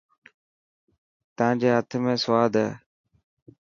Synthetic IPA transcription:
t̪əʋãːd͡ʑeːɦət̪ʰmẽːsʋaːd̪ʱəː

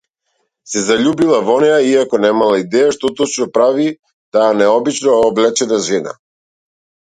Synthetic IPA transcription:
sɛzaʎubilˠavɔnɛjaiakɔnɛmalˠaid̪ɛjaʃt̪ɔt̪ɔt͡ʃnɔpɾavi | d̪̥aanɛɔbit͡ʃnoɔblɛt͡ʃɛnaʒɛna̰

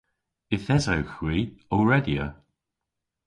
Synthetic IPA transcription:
ɪθɛzawxwiːɔlɹɛdjə̰

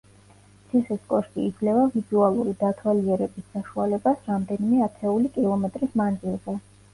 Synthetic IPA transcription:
sʰiχiskʼɔʃt̪ʼḭːd̪zlɛvavidzualˠuɾid̪at̪ʰwaliɛɾɛbisːaʃualɛbasɾamd̪ɛnimɛat̪ʰɛulikʼilˠɔmɛt̪ʼɾismand̪zilˠzɛ

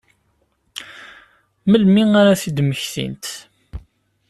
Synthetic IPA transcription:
məlmiaɾaθid̪məçθḭnt̪

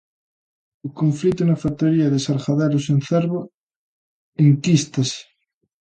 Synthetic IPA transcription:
ukõɱflit̪onafat̪oɾiaðesaɾxaðeɾosẽnθeɾβo | eŋkist̪ase̥

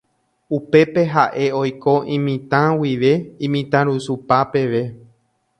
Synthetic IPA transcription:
upe̞pe̞ɦaʔe̞o̞jko̞ʔĩmĩt̪ãwiʋe̞ĩmĩt̪ãɾusupape̞ʋe̞

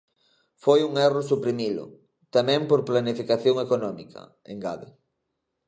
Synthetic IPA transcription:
fojuŋɛrʊsupɾimilʊ̰ | t̪amɛ̃mpoɾplanifikaθjoŋekonɔmikʰɐ̰ | eŋɡaðe

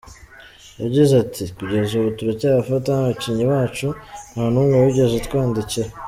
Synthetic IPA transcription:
jaɟizatʰikuɟe̞zuβutuɾecaːβafatanaβaciɲiwaːt͡ʃun̥haːnuŋɡeuɟe̞zetkwaːndice

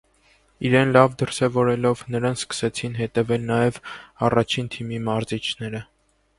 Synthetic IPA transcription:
iɾɛnlɑvd̪əɾsɛvɔɾɛlɔvnəɾɑnskə̥sɛt͡sʰinɦɛt̪ɛvɛlnɑjɛvɑrɑt͡ʃʰint̪ʰimimɑɾzit͡ʃʰnɛɾə

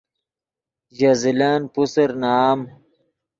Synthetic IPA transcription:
d͡ʑazilaːnpusɐɾnaːm

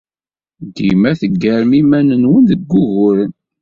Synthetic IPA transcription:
d̪imæθəɡːəɾmimænənwənðəɡːʊɣʊɾən

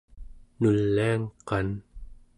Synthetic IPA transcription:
nulːiaŋqɑn

